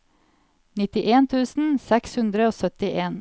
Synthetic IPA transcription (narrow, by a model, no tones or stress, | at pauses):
nɪt̪ɪʔeːnt̪ʰʉːsn̩sɛkshʉnd̪ɾəoːsœt̪ɪʔeːn